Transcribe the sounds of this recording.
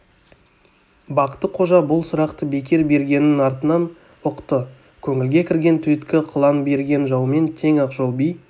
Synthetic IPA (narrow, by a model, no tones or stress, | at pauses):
bɑqət̪ːəqʰo̞ʒɑbʊlˠsʊɾɑqt̪əbe̞kʲe̞ɾbe̞ɾɡʲe̞nɪnɑɾt̪ənɑn | ʊqt̪ə | kʲʰɵŋɪlɡʲe̞kʲʰɪɾɡʲe̞nt̪ʰʏjt̪kʲɪqʰəlˠɑnbe̞ɾɡʲe̞nʒɑwme̞nt̪ʰe̞ŋɑqʒolˠbij